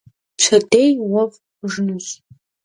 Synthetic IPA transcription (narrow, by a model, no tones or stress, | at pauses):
t͡ɕʷʰɐdejwɐv | ʐnɨz